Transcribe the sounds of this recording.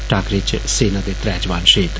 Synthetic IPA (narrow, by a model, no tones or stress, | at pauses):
ʈaːkɾet͡ʃseːnad̪et̪ɾɛːd͡ʒʋaːnʃiːt̪